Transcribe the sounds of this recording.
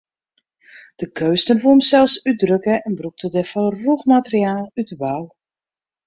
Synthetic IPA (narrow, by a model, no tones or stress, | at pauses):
d̥əkʰøːstənfumsɛlˠsydrøkəɛnbruk̚tədɛfɔlˠruxmatərjaːlˠytəʋalˠ